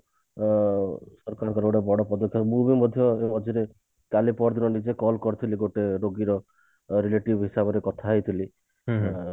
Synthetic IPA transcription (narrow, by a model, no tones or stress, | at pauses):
sɔɾkaɾɔŋkɔɾoɽebɔɽɔpɔd̪ɔkʰːjɔbubimɔd̪ʱjɔemɔd̪ʱjɔɾe | kalipɔɾd̪inɔnid͡ʒekɔlkɔɾit̪ʰiliɡoʈeɾoɡiɾɔ | ɾileʈibɦisabɔɾekɔt̪ʰaɦit̪ʰili